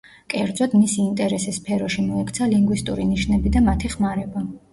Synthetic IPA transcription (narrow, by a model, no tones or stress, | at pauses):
kʼɛɾd̪zɔd̪misiːnt̪ʼɛɾɛsɛsːpʰɛɾɔʃimɔɛkʰʼt̪sʰaliŋɡwist̪ʼṵɾiniʃnɛbid̪amat̪ʰiχmaɾɛba